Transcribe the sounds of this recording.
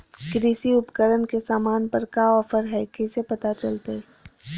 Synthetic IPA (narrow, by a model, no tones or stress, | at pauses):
kɾiːsiʊpkəɾənkesaːmaːnpɐɾkaːɔːfəɾɦɛkɛsepɐt̪at͡ʃɐlt̪e